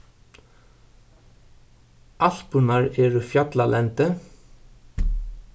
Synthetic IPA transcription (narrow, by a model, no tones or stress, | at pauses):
ʔɑɬpʉnɑɹeːɹufjɑt̪lɑlʔɛnt̪ə